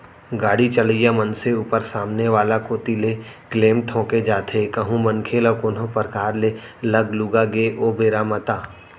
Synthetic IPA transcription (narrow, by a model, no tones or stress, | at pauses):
ɡaːɽit͡ʃəlijamənseuːpəɾsaːmneʋaːlakoːt̪ilekleːmʈʰõːked͡ʒaːt̪ʰekɐɦũmənkʰeləkoːnopəɾkaːɾlelɐɡluɡaɡeʔoːbeːɾamət̪aː